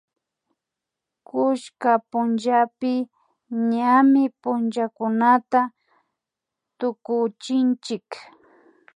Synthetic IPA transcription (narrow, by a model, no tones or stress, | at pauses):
kʊʃkapʊnʒapɪ | ɲamɪpʊnt͡ʃakʊnat̪a | t̪ʊkʊt͡ʃɪnt͡ʃɪk